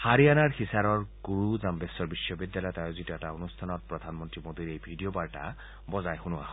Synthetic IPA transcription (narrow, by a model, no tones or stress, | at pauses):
haɹianaɹxisaɾɔɹɡ̥uɹuzambesɔɹbisːɔbidːjalɔjɔtajozitɔɛtaonustʰanɔt̚pɹɔd̪ʱanmɔntɹimod̪iɹejbʱidijobaɹʈa̰ | bɔzajxunʊa̰hɔ